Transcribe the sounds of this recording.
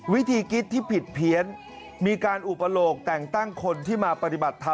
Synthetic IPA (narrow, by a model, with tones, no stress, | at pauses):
wi˦˥t̪ʰiː˧ki˦˥t̪ʰːiː˥˩pʰi˨˩t̪̚pʰi˨˦ən | miː˧kaː˧nʔu˨˩pa˧loː˨˩k̚t̪ɛː˨˩ŋt̪a˥˩ŋkʰo˧nt̪ʰiː˥˩maː˧pa˧t̪i˨˩ba˨˩t̪ʰːa˧